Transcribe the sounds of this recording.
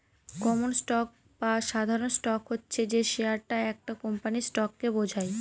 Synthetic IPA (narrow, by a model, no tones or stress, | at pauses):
kɔmonsʈɔk̚ | baʃad̪ʱaɾonsʈɔkɦotːɕʰed͡ʑeʃeaɾʈaɛk̚ʈakɔmpanisʈɔkːebod͡ʑʱaj